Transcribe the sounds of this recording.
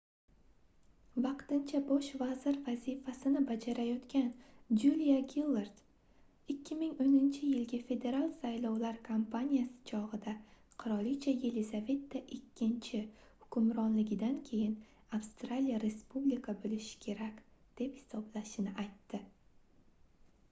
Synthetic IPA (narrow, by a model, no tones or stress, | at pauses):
vɑqt̪ɪnt͡ʃʰabɒʃvazɪɾvazifasɪnɪbad͡ʒaɾajɒt̪kʲand͡ʒulijaɡʲilˠeɾd̪̥ | ɪkʲʰːɪmɪŋonɪnt͡ʃʰɪjɪlɡʲafe̞d̪e̞ɾalˠsajlɒwlaɾkʰampʰanʲijasɪ̥t͡ʃʰɒʁɨd̪aqʰʊɾɒlˠit͡ʃʰaje̞lezave̞t̪ːaʔɪkʲʰːɪnt͡ʃʰɪ | hʊkʰʊmɾɒnlɪɡʲɪd̪ankʲʰe̞jɪn | afst̪ɾalijaɾe̞spublikʰabolɪʃɪ̥kʲʰe̞ɾakʲd̪̥e̞phɪ̥sɒblaʃɪnɪʔajt̪ʰːɪ